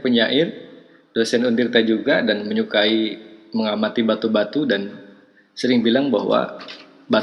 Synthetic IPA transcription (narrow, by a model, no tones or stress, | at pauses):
pəɲaʔɪr | dosɛnundɪrt̪ad͡ʒuɡadanməɲukaiməŋamat̪ibat̪ubat̪udan | səɾɪŋbilaŋbaɦwa̰ | ba